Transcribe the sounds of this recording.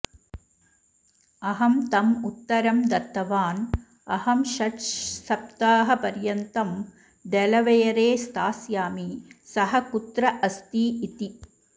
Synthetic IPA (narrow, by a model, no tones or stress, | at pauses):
ɐɦɐmt̪ɐmut̪ːɐɾɐmd̪ɐt̪ːɐʋaːn | ɐhɐmʃɐʈsɐp̚t̪aːɦɐpɐɾjɐnt̪ɐm | ɖɛlɐʋɐjɐɾeːst̪aːsjaːmisɐɦɐkut̪ɾɐʔɐst̪iːit̪i